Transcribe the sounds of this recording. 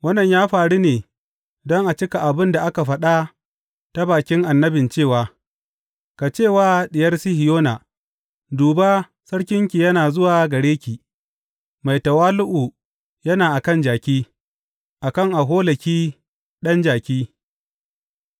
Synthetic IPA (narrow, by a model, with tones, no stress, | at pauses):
wɐ˦nːɐ˨ɲjaː˦ɸaː˨ɽi˦neː˨ | dɔ˦ŋʔa˨t͡ʃɪ˦ka˨ʔa˨bɪ˦nda˨ʔa˦ka˨ɸɐ˦ɗa˦ | ta˦baː˨kʲɪ˦ŋʔa˨nːɐ˦bɪ˨nt͡ʃeː˦˨waː˨ | ka˨t͡ʃeː˦˨waː˦ɗɪ˨jɐ˦rsɪ˦hɪ˨joː˦naː˨ | duː˨ba˦ | sɐ˦ɽkʲɪ˦ŋkʲi˨jɐ˦naː˨zʊ˦waː˨ɡɐ˨ɽeː˦kʲi˨ | ma˨jtɐ˨waː˦lʊ˦ʔu˨ | jɐ˦naː˨ʔa˨kɐ˦nd͡ʒaː˨kʲiː˦ | ʔa˨kɐ˦˨ŋʔa˨ɦoː˦lɐ˨kʲiː˦ | ɗɐ˦nd͡ʒaː˨kʲiː˦